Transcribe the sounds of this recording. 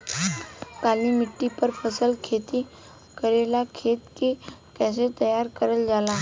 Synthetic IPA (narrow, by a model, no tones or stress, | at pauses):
kaːlimɪʈːipəɾpʰəsəlkʰeːt̪i | kəɾeːlakʰeːt̪kekɛːs̬et̪əjaːɾkəɾəld͡ʒaːlaː